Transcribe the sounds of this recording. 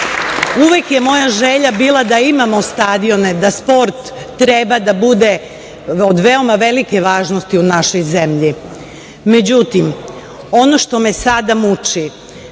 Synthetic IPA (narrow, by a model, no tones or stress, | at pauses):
uʋjekje̞mo̞jaʒe̞ʎabiːlˠad̪aimamo̞st̪aːd̪io̞ne̞d̪aspo̞ɾt̪ːɾe̞bad̪abud̪e̞ | od̪ʋeo̞maʋe̞like̞ʋaːʒnost̪iunaʃo̞jze̞mʎi | me̞d͡ʑut̪im | o̞no̞ʃt̪o̞mesad̪amut͡ʃi